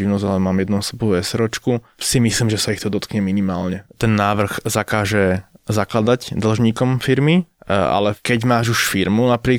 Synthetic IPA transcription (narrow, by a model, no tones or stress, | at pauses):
iʊnɔzalɛmaːmjɛd̪nuɔsɛbuʋɛsɛɾɔt͡ʃku | simisliːmʒɛsaixt̪ɔd̪ɔt̪kɲɛminimaːlɲɛt̪ɛnːaːʋr̩ɣzakaːʒɛzaklad̪aɟd̪l̩ʒɲiːkɔmfiɾmia̰lɛkɛɟmaːʒuʃfiɾmunapɾiː